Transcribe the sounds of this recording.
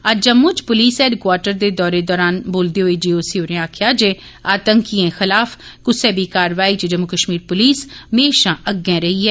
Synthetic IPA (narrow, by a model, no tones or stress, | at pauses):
əd͡ʒəmõːt͡ʃpʊliːsɛːɖkwaːɾʈəɾd̪eːd̪ɔːɾeːd̪ɔːɾaːnboːld̪eːɦoːiːd͡ʒiːoːsiːoːɾẽaːkʰjaːd͡ʒeː | aːt̪əŋkiːẽːxɪlaːfʰkʊseːbiːkaːɾʋaːiːt͡ʃd͡ʒəmːukəʃmiːɾpʊliːsmeːʃãːʔəɡẽːɾəiːɛː